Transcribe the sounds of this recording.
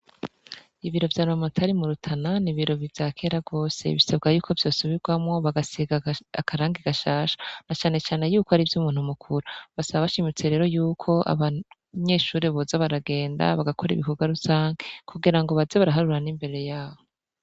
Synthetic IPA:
iβiɾo̞vjaːnumamatʰaɾimuɾutʰananiβiɾo̞βivjaːkʰe̞ːɾaɡo̞ːse̞̰βisabɡajuːkʰo̞vjo̞ːsuβiɾɡwamŋo̞βaɡasiɡaakʰaɾaːŋɡiɡaʃaːʃḁnat͡ʃaːne̞t͡ʃaːne̞juːkoaɾivjumuːn̥humukʰuɾuβasaβaβaʃimit͡se̞ɾe̞ːɾo̞juːkʰo̞ʔa̰βa | ɲe̞ːʃuːɾe̞βozaβaɾaɡe̞ːnda̰βaɡakʰo̞ɾḭβikuɡaɾusaːŋɡekʰuɡiɾaŋɡo̞βazeβaɾaɦaɾuɾanimbe̞ɾe̞jaːβo

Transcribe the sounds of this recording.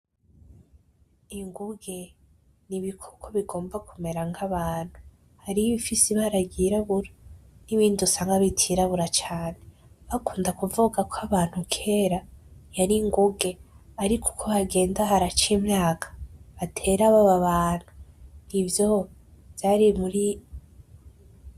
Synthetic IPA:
iŋɡuɡe̞ | niβikʰoɡʰoβiɡo̞ːmbakʰume̞ɾaŋɡaβaːn̥hu | haɾiiβifisiβaɾaɡiɾaβuɾaniβiːndusaːŋɡaβitʰiɾaβuɾat͡ʃaːneβakʰuːndakuvuɡakʰoaβaːn̥hukʰe̞ːɾajaɾiŋɡuɡe̞aɾikʰu̥kʰoβaɡe̞ːndaɦaɾat͡ʃimŋaːkʰḁβatʰe̞ːɾaβaβaβaːn̥hu̥nivjo̞ | vjaːɾimuɾi

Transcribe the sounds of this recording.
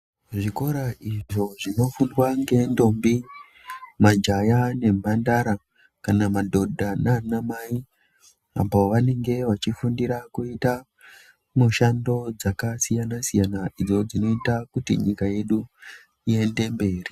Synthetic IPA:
ʐiko̞ɾaʔiʐo̞ʐino̞fundwaŋɡe̞ndo̞mbi | mad͡ʒajane̞mandaɾa | kanamadʱo̞dʱananamai | a̰poʋane̞ŋɡe̞ʋat͡ʃifundiɾakuita | muʃando̞d͡zakasijanasijanaʔid͡zo̞d͡zino̞itakutḭɲikaje̞ɗu | ie̞nde̞mbe̞ːri

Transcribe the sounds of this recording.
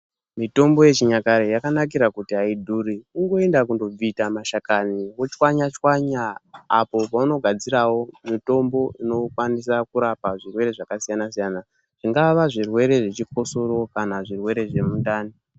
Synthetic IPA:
mito̞mbo̞je̞t͡ʃiɲakaɾejakanak̬iɾakutiaidʱuːɾiuŋɡo̞e̞ndak̬undo̞b͡vitamaʃakaniwot͡ʃwaɲat͡ʃwaɲaːpo̞pauno̞ɡʱad͡ziɾawo̞mito̞mbo̞ino̞kwanisakuɾapaʐirwe̞ɾe̞ʐakasijanasijana | ʐ̥iŋɡaʋaʐirwe̞ɾe̞ʐet͡ʃipo̞soɾo̞kanaʐirwe̞ɾe̞ʐe̞mundaːni

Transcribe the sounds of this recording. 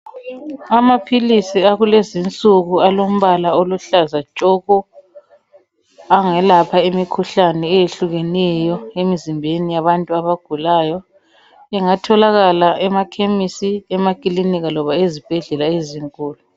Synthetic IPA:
amapʰilisiaɣulezint͡sʼuɣualom̩βalaoluɬazat͡ʃʼɔɣɔ | aŋɛlapʰaemikʰuɬanɛːjeɬuɣɛnɛjɔemizimbʱenijaβantʼuaβaɡ̥ʱulaːjɔ | ɛŋatʰɔlaɣalaʔɛmakʰemisiɛmakʼiliniɣalɔβaezib̥ʱɛɮɛlaeziŋkʼuːlu

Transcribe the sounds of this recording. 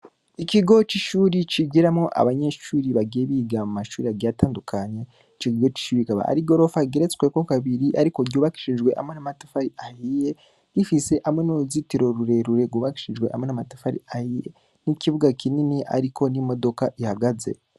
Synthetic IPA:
iciɡo̞t͡ʃiʃuːɾit͡ʃiɡiɾamoʔa̰βaɲe̞ːʃuːɾiβaɡeβiːɡamumaʃuːɾiaɡaːtaːndukʰaɲe̞ | t͡ʃiɡiɡo̞t͡ʃi̥ʃuːɾikaβa̰a̰ɾiɡo̞ɾo̞faɡeɾet͡skweko̞kaβiɾiʔaɾiko̞ɡjoβaki̥ʃiʒɡwe̞ʔa̰mwe̞namatafaɾiahije | ifise̞ʔamwe̞noɾuzitiɾo̞ɾuɾe̞ɾuɾeɡuβaki̥ʃiʒɡwe̞ʔa̰mwenamatafaɾḭahijḛ | niciβuɡakininia̰ɾiko̞nimo̞do̞kaʔihaɡaze̞̰

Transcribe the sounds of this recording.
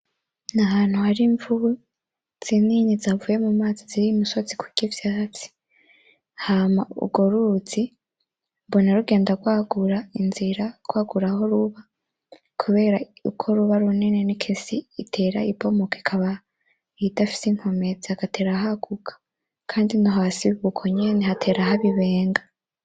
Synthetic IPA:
nahaːn̥huhaɾiɱvuβu | z̥iniːɲizavuje̞mumaːziziɾimusozikʰuɟevjat͡si̥ | hamaṵɡoɾuut͡si | bonaɾuɡe̞ːndaɡwaːɡuɾainziɾaɡ̥waːɡuɾaho̞ɾuβa | kʰuβe̞ːɾaṵkʰo̞ɾuβaɾuninenikʰisiːtʰe̞ɾa̰ibo̞mokekʰaβa | itafi̥seŋ̥ho̞me̞zaakatʰe̞ːɾaɦaɡ̥ukʰḁ | kʰaːndinoɦasiββukʰoɲeːnehatʰe̞ːɾahaβiβe̞ːŋɡa

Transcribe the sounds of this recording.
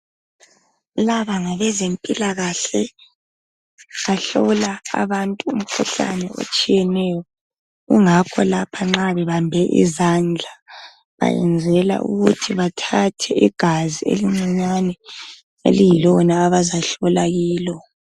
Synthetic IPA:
laβaŋaβɛzempʼilaɣaɬɛ | βaɬɔla̰ːβantʼuum̩kʰuɬa̰nɛo̰t͡ʃʼijɛnɛjɔ | ɣuŋakʰɔlapʰaŋ͡ǁaβɛβambʱɛʔḭzand͡ɮʱa | βa̰jɛ̰nd͡zʱɛla̰ʔṵɣutʰiβatʰatʰɛiɡ̥ʱaziḛliŋ͡ǀiɲanɛ | ḛlijilɔnaːβazaɬɔlaɣiːlɔ

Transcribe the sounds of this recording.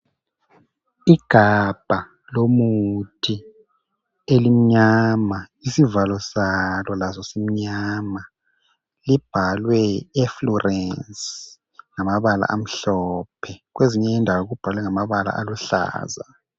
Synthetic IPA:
iɡ̥ʱab̥ʱa | lomutʰi | elim̩ɲamaisivalɔsalɔlazɔsem̩ɲama | lib̥ʱalwɛɛflɔrʔɛns | ŋamaβala̰ʔam̩ɬɔpʰɛɣweziɲɛndʱawoɣub̥ʱalwɛŋamaβala̰ʔa̰luɬa̰ːza

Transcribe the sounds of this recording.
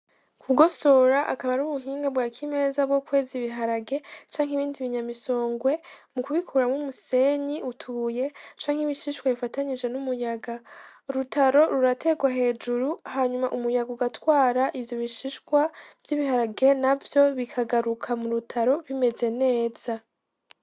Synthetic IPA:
kʰuɡo̞so̞ɾaʔakaβaɾuβuɦiːŋɡabɡaːkʰime̞ːzabɡo̞kwe̞ːziβiɦaɾaɡe̞t͡ʃaːŋɦiβiːndiβiɲamiso̞ːŋɡwe̞mukuβikʰuɾamumuse̞ɲiʔutʰuje̞t͡ʃaːŋhimiʃiʃkwaβifataɲid͡ʒe̞numujaɡaɾutaɾo̞ɾuɾate̞ɡwaɦe̞ːd͡ʒuɾuhaɲumaʔumujaɡuɡatwaːɾaʔivjo̞βiʃiʃkwav̥jiβihaɾaɡe̞navjo̞βikʰaɡaɾukʰamuɾutʰaɾo̞βime̞ze̞ne̞ːz̥a

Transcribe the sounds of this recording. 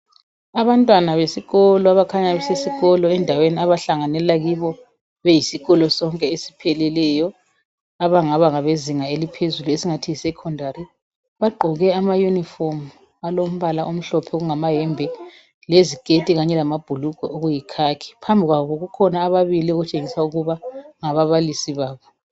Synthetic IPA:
aβantʼwanaβesiɣɔlɔaβakʰaɲaβɛsesiɣɔlɔɛndʱaweniaβaɬaŋanɛlaɣiβɔ | βejisiɣɔlɔsɔŋkʼɛesi̥pʰɛlɛlɛjɔ | aβaŋaβaŋaβeziŋaelipʰezuluesiŋatʰisɛkʰɔndʱaɾi | βaɡ͡ǃʱɔɣɛamajunifom | alom̩βalaʔom̩ɬɔpʰɛoɣuŋamaɦɛmbʱɛ | leziɡ̥ʱetʼiɣaɲɛlamab̥ʱulukɔ̰ʔoɣujikʰakʰi̥pʰambʱiɣwaɣoɣukʰɔnaːβaβilioɣut͡ʃʼeŋisauɣuβaŋaβaβalisiβaːβɔ

